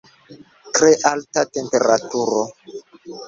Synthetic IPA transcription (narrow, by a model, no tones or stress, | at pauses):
tɾeʔaltatempe̞ɾatuɾo